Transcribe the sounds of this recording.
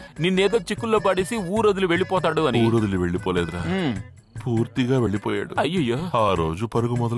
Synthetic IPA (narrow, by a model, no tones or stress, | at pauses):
ninːeːd̪ɐːt͡ʃikːulːɐbɐɽisiuːɾɐd̪ɐliʋeɭːipoːt̪̬aːɽuʋɐnuːɾɐd̪ɐliʋeɭːipoːleːd̪ɐɾɐː | puːɾt̪iɡaːʋeɭːipoːja̰ːɽuɐjɐjoːaːɾoːd͡ʒupɐɾɐɡumɔd̪ɐ